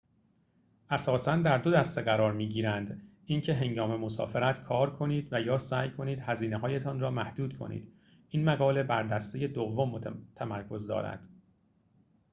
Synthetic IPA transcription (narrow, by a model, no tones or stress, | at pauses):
ʔæsɒːsænd̪æɾd̪o̞d̪æst̪eɣæɾɒːɾmiːɟiːɾænd̪ | incʰe̞ɦe̞ŋɡɒːme̞mo̞sɒ̰ːfeɾæt̪ʰkʰɒːɾkʰo̞niːd̪væjɒːsæːjkʰo̞niːd̪hæziːneɦɒːje̞t̪ʰɒːnrɒːmæhd̪̥uːd̪kʰo̞̰nḭːd̪̥ | inmæɣɒːle̞bæɾd̪æst̪eje̞d̪ovːo̞mːt̪ʰæmæɾkʰo̞zd̪ɒ̰ːɾæ̰d̪̥